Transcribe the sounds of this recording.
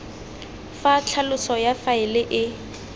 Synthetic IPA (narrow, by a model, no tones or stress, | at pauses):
fat͡ɬʰalʊsɔjafaɪlɪʔɪ